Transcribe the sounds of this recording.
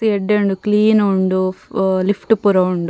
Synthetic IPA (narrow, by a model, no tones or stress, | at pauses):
sieɖːeɳɖukliːnoɳɖulifʰʈpuɾɐuɳɖu